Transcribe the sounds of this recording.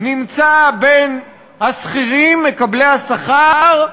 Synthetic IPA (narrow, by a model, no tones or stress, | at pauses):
nimt͡saben | hasχiʁimːekablejhasaχaʁ